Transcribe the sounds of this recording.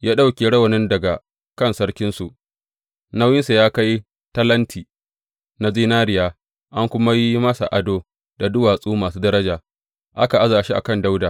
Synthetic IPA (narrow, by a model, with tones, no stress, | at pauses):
jaː˦ɗa˦wkʲe˨ɽɐ˦wɐ˨nɪ˦ndɐ˨ɡa˨ | kɐ˦˨nsɐ˦ɽkʲɪ˦nsu˨ʔ | na˦wjɪ˦nsa˨jaː˦ka˦j | tɐ˦lɐ˦ntʰiː˨ | na˨ziː˦naː˦ɾɪ˨jaː˨ | ʔa˦ŋkʷʊ˦ma˦ji˦mɐ˦sa̰˨ʔa˨doː˦ | da˨dʊ˦waː˨sʼuː˦maː˨suː˦dɐ˦ɾɐ˦d͡ʒaː˨ | ʔa˦ka˨ʔa˦zaː˨ʃi˦ʔa̰˨kɐ˦˨nda˦wdaː˨